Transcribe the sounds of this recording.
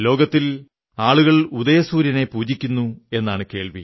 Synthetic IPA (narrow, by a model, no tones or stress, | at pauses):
lo̞ːɡɐt̪ːil | aːɭuɣɐɭud̪ɐjɐsuːɾjɐne̞puːd͡ʑikʲːunːue̞nːaːɳɨke̞ːɭʋḭ